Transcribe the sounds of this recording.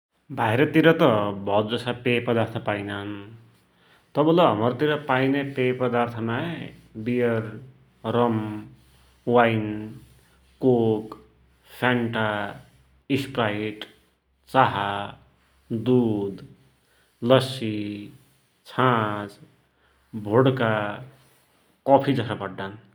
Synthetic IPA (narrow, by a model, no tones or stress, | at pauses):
bʱajɾʌt̪iɾʌt̪ʌbʱʌdd͡zʌsapepʌd̪art̪ʰʌpajnaɦn | t̪ʌbʌlʌɦʌmʌɾt̪iɾʌpajnepejpʌd̪art̪ʰʌmabijʌr | rʌm | wajn | kok | pʰaɳʈa | ispɾaiʈ | t͡saɦa | d̪ud̪ | lʌsi | t͡sʰãt͡s | bʱoɽka | kɔpʰid͡zʌsapʌɽɖan